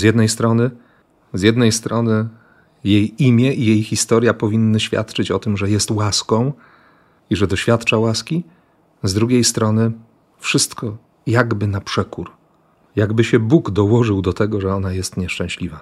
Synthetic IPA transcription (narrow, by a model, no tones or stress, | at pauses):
zʲjɛd̪nɛjst̪ɾɔnɘ | zjɛd̪nɛjst̪ɾɔnɘ | jejimʲjɛʔijejxʲist̪ɔɾjapɔvʲinːɘɕfʲja̰t̪t͡ʂɘt͡ɕɔt̪ɘmʐɛjɛst̪waskɔ̃w̃ | iʐɛd̪ɔɕfʲjat̪t͡ʂawaskʲi | zd̪ɾuɡʲejst̪ɾɔnɘ | fʂɘst̪kɔ | jaɡbɘnapʂɛkuɾ | jaɡbɘɕɛbuɡd̪ɔwɔʐɘwd̪ɔt̪ɛɡɔʐɛɔnajɛst̪ɲɛʂt͡ʂɛ̃w̃ɕlʲiva